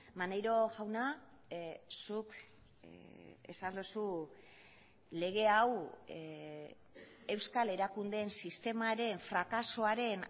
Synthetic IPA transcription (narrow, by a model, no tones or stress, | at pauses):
manejɾo̞ɣawna | suk | e̞̰sand̪usu | le̞ɣ̞e̞aw | e̞wskale̞ɾakund̪e̞nsist̪e̞maɾe̞ɱfɾakaso̞aɾe̞n